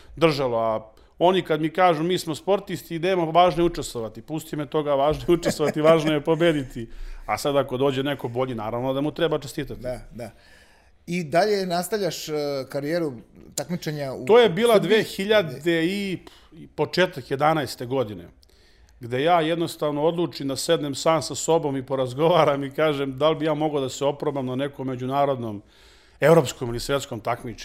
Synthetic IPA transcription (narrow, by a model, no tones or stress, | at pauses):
d̪r̩ʒaloa | o̞nikad̪mikaːʒumiːsmospo̞ɾt̪ist̪id̪emaʋaːʒnojut͡ʂest̪ʋoʋat̪ipust̪imet̪o̞ɡaʋaːʒnojeuʈ͡ʂest̪ʋoʋat̪iʋaːʒnojepo̞beːd̪it̪iasad̪ako̞d̪o̞ːd͡ʑeneko̞bo̞ʎinaːɾaʋnod̪amut̪ɾebat͡ʃest̪iːt̪at̪iid̪a | id̪aʎenast̪avʎʲaʃkaɾijeːɾut̪akmit͡ʃeɲauoːjebiːlad̪ʋeːxiʎad̪ei | po̞t͡ʂeːt̪akjed̪anajst̪e̞ɡo̞d̪inḛ | ɡd̪e̞jaːjed̪no̞st̪aʋnoo̞d̪lˠuːt͡ʂimd̪ased̪nemsaːmsaso̞bo̞mipo̞ɾazɡo̞ʋaːɾamikaːʒemd̪albijaːmo̞ɡod̪aseo̞pɾobamnane̞komːe̞d͡ʑunaːɾo̞d̪nom | evɾo̞ːpskomilisʋe̞t̪sko̞mt̪akmit͡ʂe̥